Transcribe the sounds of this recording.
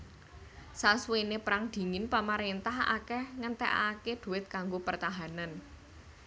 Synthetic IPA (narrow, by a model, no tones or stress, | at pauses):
saswenepɾaŋd̪̥i̤ŋɪnpamaɾent̪aha̰kɛhŋənt̪ɛ̰ʔa̰ked̪̥ṳwɪt̪̚kaŋɡopərt̪aɦanan